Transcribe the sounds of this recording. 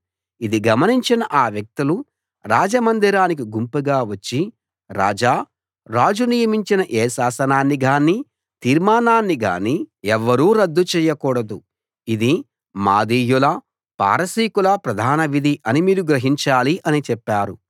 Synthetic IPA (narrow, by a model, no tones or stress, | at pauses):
id̪iɡɐmɐniɲt͡ʃinɐʔaːʋjɐk̚t̪ilu | ɾaːd͡ʒɐmɐnd̪iɾaːnik̬iɡumpuɡaːʋɐt͡ʃːi | ɾa̰ːd͡ʒaː | ɾaːd͡ʒunijɐmiɲt͡ʃinɐʔɛːsaːsɐnaːnːiɡaːnːi | t̪iːɾmaːnaːnːiɡa̰ːniɛʋːɐɾuːɾɐd̪ːut͡ʃɛːjɐkuːɽɐd̪u | id̪i | maːd̪iːjulɐ | pa̰ːɾɐsiːkulɐpɾɐd̪ʱaːnɐʋid̪ʱiʔɐnimiːɾuɡɾɐɦiɲt͡ʃaːliʔɐnit͡ʃɛpːaːɾu